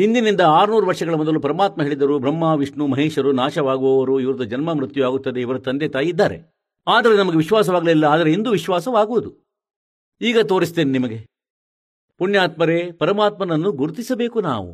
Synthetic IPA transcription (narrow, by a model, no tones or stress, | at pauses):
ɦind̪inind̪ɐaːɾnuːɾuʋɐɾʂɐɡɐɭɐmɔd̪ɐlupɐɾɐmaːt̪mɐɦe̞ːɭid̪ɐɾubɾɐmːaːʋiʂɳumɐɦeːʃɐɾunaːʃɐʋaːɡuʋɐʋɐɾuiʋɐɾud̪ɐd͡ʒɐnmɐmɾut̪juaːɡut̪ːɐd̪e̞iʋɐɾɐt̪ɐnd̪et̪aːjid̪ːaːɾe | aːd̪ɐɾenɐmɐɡeʋiʃʋaːs̬ɐʋaːɡɐlelːɐaːd̪ɐɾeind̪uʋiʃʋaːsɐʋaːɡuʋud̪u | iːɡɐt̪o̞ːɾist̪eːninimɐɡe̞ | punjaːt̪mɐɾe̞ːpɐɾɐmaːt̪mɐnɐnːuɡuɾut̪isɐbe̞ːkuna̰ːʋṵ